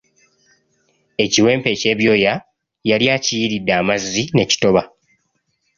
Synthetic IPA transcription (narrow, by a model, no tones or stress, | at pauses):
e̞ciwe̞ːmpe̞ce̞ːβjo̞ːja | jaljaːcijiɾidːaːmazːine̞ci̥to̞βa